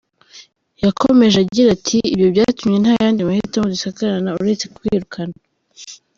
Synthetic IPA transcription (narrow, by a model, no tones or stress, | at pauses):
jakʰome̞ʒaɟiɾatʰiːbjo̞bjatumɲe̞n̥hajaːndimahitamodusakaɾanauɾe̞t͡se̞kwiːɾukʰana